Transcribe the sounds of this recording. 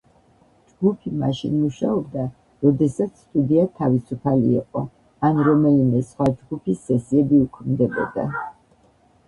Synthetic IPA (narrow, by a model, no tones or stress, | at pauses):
d͡ʒɡupʰima̰ʃḭnmuʃaɔb̚d̪a | ɾɔd̪ɛsat̪sʰst̪ʼud̪iat̪ʰavisupʰalḭːqʼɔ | anɾɔmɛlimɛsχwad͡ʒɡupʰisːɛsiɛbiukʰmd̪ɛbɔ̰d̪a̰